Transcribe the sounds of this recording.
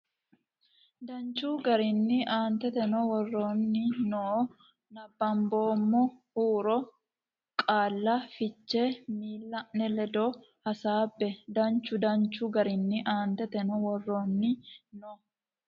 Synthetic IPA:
d̪ɐnt͡ʃːuːɡɐɾɪnːɪʔaːnt̪ɛt̪ɛnɔwɔrːoːnːɪnɔ | nɐbːɐmbo̞ːmːohuːɾɔ | kʼaːlːɐfɪt͡ʃːe̞ːmiːlːɐʔnɛlɛd̪oː | hɐsaːbːɛd̪ɐnt͡ʃːʊd̪ɐnt͡ʃːʊɡɐɾɪnːɪʔaːnt̪ɛt̪ɛnɔwɔrːoːnːɪnɔ

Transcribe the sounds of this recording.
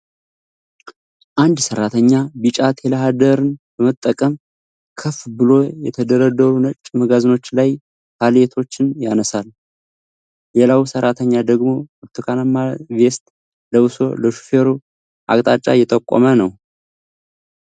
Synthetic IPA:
ʔand̪səɾːat̪ʰəɲːabɨt͡ʃʼat̪ʰhelaɦad̪əɾɨnb̥əmət̪ʼːəkʼəm | kʰəfbɨlo̞jɛt̪ʰəd̪əɾəd̪əɾunət͡ʃʼːməɡazɨno̞t͡ʃːlaj | t̪ʰalet̪ʰo̞t͡ʃːɪnjanəsal | lelawsəɾat̪ʰəɲːad̪əɡmo̞ɾt̪ʰukʰanamavest̪ | ləʔɨso̞̰ləʃu̥feɾu | ʔa̰kʼt̪ʼat͡ʃʼːa̰jɛt̪ʼəkʷʼːo̰mənəw

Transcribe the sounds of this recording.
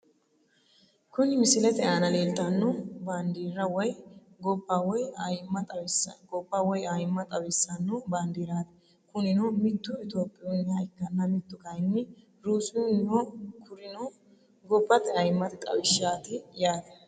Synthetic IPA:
kʊnɪmɪsɪlɛt̪ɛʔaːnɐleːlt̪ɐnːɔband̪iːɾɐwɔj | ɡɔpːawɔjjmːɐt̪sɡɔpːawɔjajɪmːɐt̪ʼɐwɪsːɐnːɔband̪iːɾaːt̪ɛ̥ | kʊnɪnomɪt̪ːʊɪt̪oːpʼːɪjonɪjaɪkːɐnːɐmɪt̪ːʊkɐjɪnːɪ | ɾuːsɪʊnɔkʊɾɪnɔ | ɡɔbːɐt̪ɛɐjɪmːɐt̪ɪt̪ʼɐ̰wɪʃaːt̪ɪjaːd̪ɐ

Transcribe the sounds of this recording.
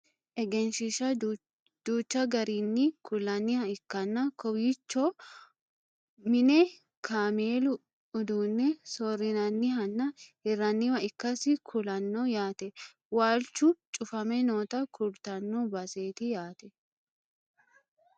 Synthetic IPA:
ʔɛɡɛnʃɪʃɐ | d̪̥uːt͡ʃːɐɡɐɾiːnːɪkʊlɐnːɪhɐɪkːɐnːɐkɔwɪt͡ʃːo | mɪnɛ | kʰaːmeːlʊ | ʊd̪uːnːɛsoːrɪnɐnːɪɦɐnːɐhɪrːɐnːɪwɐɪkːɐsɪkʰʊlɐnːojaːt̪ɛ | waːlt͡ʃːut͡ʃʼʊfɐmɛnoːt̪ɐkʰʊɾt̪ɐnːobɐse̞ːt̪ɪjaːt̪ɛ

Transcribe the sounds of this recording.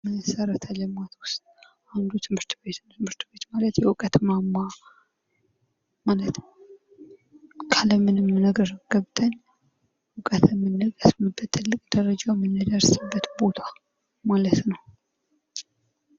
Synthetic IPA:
məsəɾət̪ʰəlɨmat̪wʊst̪ʼ | ʔand̪ut̪ʰɨmhɨɾt̪be̞t̪nt̪ʰɨmhɨɾt̪be̞t̪malət̪jɛwɨkʼət̪mamːa | malət̪n | kʰaləmɨnɨmːnəɡəɾɡ̥əβt̪ʼʰəɲː | wɨkʼət̪ʰɛmːɨnːəɡʼəsmɨbːət̪ʰːɨlːɨkʼd̪̥əɾəd͡ʒawmːɨnːɨd̪əɾsɨbːət̪bo̞t̪ʰḁ | malət̪nəw

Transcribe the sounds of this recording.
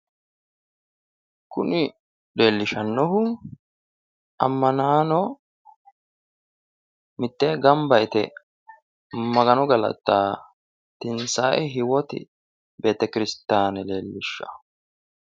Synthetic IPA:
kʊnɪ | le̞ːlːɪʃɐnːɔɦʊ | ʔɐmːɐnaːnɔ | mɪt̪ːeːɡɐmbɐɪt̪ɛ̰ | mɐɡɐnɔɡɐlɐ̰t̪ːaː | t̪ɪnsaːʔɛɦɪwɔt̪ɪ̰ | be̞ːt̪ːɐkɪɾɪst̪aːnɛle̞ːlːɪʃːɐ̥̰

